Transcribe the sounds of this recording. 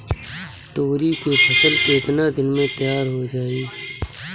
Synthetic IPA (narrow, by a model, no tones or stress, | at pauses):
t̪oːɾikepʰɐsəleːt̪nad̪ɪnmẽt̪jaːɾɦod͡ʒaːiː